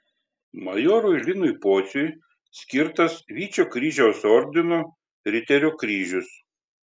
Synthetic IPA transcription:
mɐjoːɾʊɪlʲɪnʊjpoːt̪sʲʊj | sʲkʲɪɾt̪ɐsʋʲiːt͡ʃʲoːkɾʲiːʒʲɛʊsɔɾʲd̪ʲɪnoː | ɾʲɪt̪ʲɛɾʲoːkɾʲiːʒʲʊs

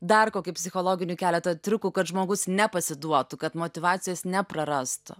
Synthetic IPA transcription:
d̪ɐrkoːkʲʊpʲsʲɪxoːlˠoːɡʲɪnʲuːkʲæːlʲɛt̪oːt̪ʲɾʲʊkuːkɐt̪ʒmoːɡʊsnʲɛpɐsʲɪd̪uɔt̪ʊkɐt̪moːt̪ʲɪʋɑːt̪sʲɪjoːsnʲɛpɾɐɾɐst̪ʊ̰

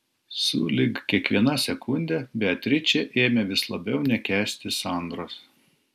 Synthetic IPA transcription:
sṵːlʲɪkkʲiɛkʋʲiɛnɐsʲɛkʊnʲd̪ʲɛbʲɛɐt̪ʲɾʲɪt͡ʃʲɛʔeːmʲɛʋʲɪslˠɐbʲɛʊnʲɛkʲæːsʲt̪ʲɪsɑˑnd̪ɾoːs

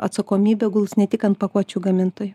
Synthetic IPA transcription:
ɐ̰t̪sɐkoːmʲiːbʲɛɡʊlˠsnʲɛt̪ʲɪkɐnt̪̚pɐkuɔt͡ʃʲuːɡɐmʲɪnt̪oːjʊ

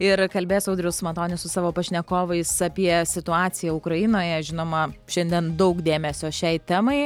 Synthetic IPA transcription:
ɪɾkɐlʲbʲeːjoːsɐʊd̪ɾʲɛʊsmɐt̪oːnʲɪsʊsɑːʋoːpɐʃʲnʲɛkoːʋɐɪsɐpʲiɛsʲɪt̪ʊɑːt̪sʲɪjɛʊkɾɐjɪnoːjɛʒʲɪnoːmɐʃʲɛnʲd̪ʲiɛnd̪ɐʊkd̪ʲeːmʲɛsʲoːʃʲɛɪt̪ʲæːmɐɪ

